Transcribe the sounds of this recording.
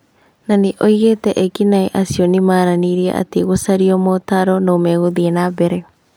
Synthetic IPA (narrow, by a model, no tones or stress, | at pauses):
naneʔoiɣetɛʔɛkinaeʔasijɔnimaːɾaniɾiɛ̰ʔa̰teɣosaɾiɔmɔtaɾɔnoːmɛɣoðiɛnabɛɾɛ